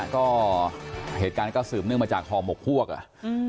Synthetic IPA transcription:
kɔː˥˩ | heː˨˩t̪̚kaː˧nkɔː˥˩sɯː˨˩p̚nɯ˥˩ŋmaː˧t͡ɕaː˨˩k̚ʰɔː˧mo˨˩k̚pʰu˥˩ək̚ʔa̰˨˩ʔ

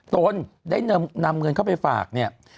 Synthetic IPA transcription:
t̪o˨˧˦ndaː˥˩jn˧na˧mŋɤ˧nkʰa˥˩wpa˧jfa̰ː˨˩k̚ni˥˩ɐ

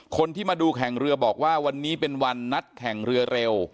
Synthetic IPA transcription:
kʰo˧nt̪ʰiː˥˩maː˧duː˧kʰɛ˨˩˦ŋɾɯ˧ɐbɔː˨˩k̚waː˥˩wa˧nːiː˦˥pe˧nwa˧nːa˦˥t̪̚kʰɛ˨˩ŋɾɯ˧ɐɾe˧w

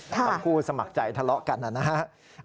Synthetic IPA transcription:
a˨˧˦kʰuː˧sa˧ma˨˩k̚t͡ɕa˨˩jt̪ʰa˧lɔ˦˥ʔka˧nʔa˧˩na˧ɦa˦˥

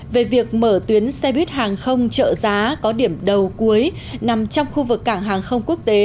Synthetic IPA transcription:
ve˨˩vi˨˩ək̚məː˧˩t̪wi˨˦ənsɛ˧ɓi˦˥ət̚haː˨˩ŋxə˧wŋ͡mt͡ɕə̰ː˧˨zaː˨˦kɔ˨˦ɗi˧˩əmɗə˨˩wku˨˦əj | na˨˩mt͡ɕɔ˧wŋ͡mxu˧vɨ˨˩kːaː˧˩ŋɦaː˨˩ŋxə˧wŋ͡mku˦˥ək̚t̪e˨˦

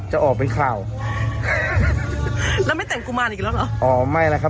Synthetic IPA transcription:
t͡ɕa˨˩ʔɔː˨˩k̚pe˧nkʰaː˨˩w | lɛː˧˦˥wma˥˩jt̪ɛ˨˩ŋkuː˧maː˧nʔiː˨˩lɛː˦˥wlɔ˨˦ʔɔː˨˩˦ma˥˩jla˦˥kʰa˦˥˩

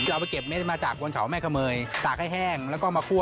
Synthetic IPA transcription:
ʔa˧˩pa˧jke˨˩p̚me˦˥t̪̚maː˧t͡ɕaː˨˩k̚wo˧nkʰa˩˦wmɛː˥˩kʰa˧mɤː˧jt̪aː˨˩k̚ʰːa˥˩jɦɛː˥˩ŋlɛ˦˥wkɔː˥˩maː˧kʰu˥˩ə

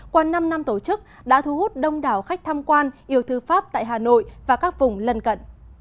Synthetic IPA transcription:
kwaː˧na˧mna˧mt̪o˧˩t͡ɕɨ˦˥k̚ | ɗa̰ː˧˥t̪ʰu˨˧˦hu˦˥t̚ɗə˧wŋ͡mɗaː˨˩wxa˦˥jk̚t̪ʰaː˧mkwaː˧nʔi˧˩əwt̪ʰɨ˧faː˦˥p̚t̪a̰ː˧˨jɦaː˨˩no̰˧˨jvaː˨˩kaː˦˥k̚vʊ˨˩ŋ͡mlə˧nkə̰˧˨n

